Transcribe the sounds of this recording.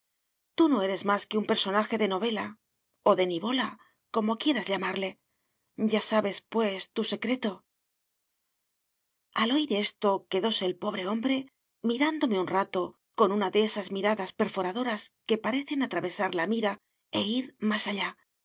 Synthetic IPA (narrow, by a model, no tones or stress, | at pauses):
t̪uno̞e̞ɾe̞zmaske̞umpe̞ɾso̞naxe̞ðe̞no̞β̞e̞la | o̞ðe̞niβo̞la | ko̞mo̞kje̞ɾazʎamaɾle̞ | ɟ͡ʝasaβe̞spwe̞st̪use̞kɾe̞t̪o̞ | alo̞jɾe̞st̪o̞ke̞ðo̞se̞ːlpo̞β̞ɾe̞o̞mbɾe̞ | miɾand̪o̞me̞unrat̪o̞ | ko̞nunaðe̞esazmiɾaðaspe̞ɾfo̞ɾaðo̞ɾaske̞paɾe̞θe̞nat̪ɾaβe̞saɾlamiɾa | e̞iɾmasaʎa